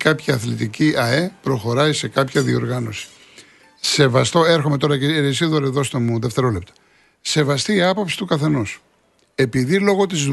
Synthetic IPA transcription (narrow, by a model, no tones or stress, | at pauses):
kɐpçɐːθlit̪iciʔɐe̞pɾo̞xo̞ɾɐise̞kɐpçɐðio̞̰ɾɣɐno̞si̥ | se̞vɐst̪o̞e̞ɾxo̞me̞t̪o̞ɾɐceɾisiðoɾeðo̞st̪omuðeft̪e̞ɾo̞le̞p̚t̪ɐ̥ | se̞vɐst̪iːɐpo̞psi̥t̪ukɐθe̞nus | e̞piðilo̞ɣo̞t̪iz